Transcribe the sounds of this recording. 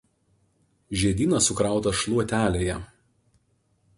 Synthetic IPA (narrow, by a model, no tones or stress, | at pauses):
ʒʲiɛd̪ʲiːnɐsʊkɾɑˑʊt̪ɐʃlˠuɔt̪ʲæːlʲeːjɛ